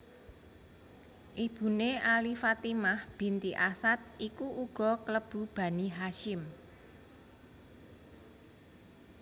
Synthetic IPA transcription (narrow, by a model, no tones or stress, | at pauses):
ʔib̥ṳneʔalifat̪imahb̥i̤nt̪iʔasat̪̚ikuʔuɡ̥ɔ̤kləb̥ṳb̥a̤niɦaʃɪm